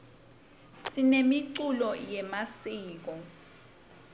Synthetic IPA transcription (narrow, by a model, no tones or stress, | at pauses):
sinemiǀulɔjɛmasiːk̬ɔ